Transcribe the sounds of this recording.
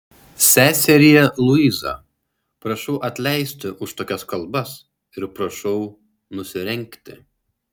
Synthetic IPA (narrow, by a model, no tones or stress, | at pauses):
sʲæːsʲɛɾʲɪjɛlˠʊizɐ̰ | pɾɐʃɔʊʔɐt̪ʲlʲɛɪsʲt̪ʲɪʔʊʃt̪oːkʲɛskɐlˠbɐs | ɪɾpɾɐʃɐʊ | nʊsʲɪɾʲɛŋʲkt̪ʲɪ